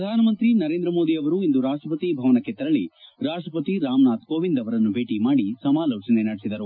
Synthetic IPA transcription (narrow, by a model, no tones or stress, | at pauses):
ɾɐd̪ʱaːnɐmɐnt̪ɾinɐɾe̞ːnd̪ɾɐmo̞ːd̪iɐʋɐɾuind̪uɾaːʂʈɾɐpɐt̪ibʱɐʋɐnɐkːe̞t̪ɐɾɐɭiɾaːʂʈɾɐpɐt̪iɾaːmnaːt̪koːʋind̪ɐʋɐɾɐnːubʱe̞ːʈimaːɽisɐmaːloːt͡ʃɐnenɐɽesid̪ɐɾu